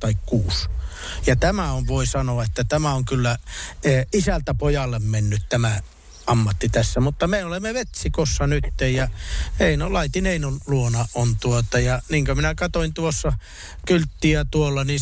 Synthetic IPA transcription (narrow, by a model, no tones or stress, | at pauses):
t̪ɑikkuːs | jɑt̪æmæoʋʋoisɑnoɑet̪ːæt̪æmæoŋkylːæeisælt̪æpojɑlːemmenːyt̪t̪æmæ | ʔɑmːɑt̪ːit̪æsːæmut̪ːɑmeolemːeʋet̪sikosːɑnyt̪ːejjɑheinolɑit̪inheinonluonɑʔʔont̪uot̪ɑjɑniːŋkøminækɑt̪oint̪uosːɑ | kylt̪ːiæt̪uolːɑni